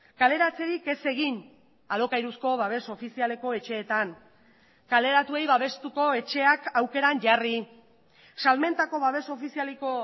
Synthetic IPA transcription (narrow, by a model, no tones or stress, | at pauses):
kale̞ɾat͡se̞ɾike̞se̞ɣ̞in | alo̞kajɾusko̞βaβ̞e̞so̞fisiale̞ko̞e̞t͡ʃe̞ːt̪an | kale̞ɾat̪ue̞jβaβ̞e̞st̪uko̞e̞t͡ʃe̞akawke̞ɾaɲʝari | salme̞nt̪ako̞βaβe̞so̞fisialeko̞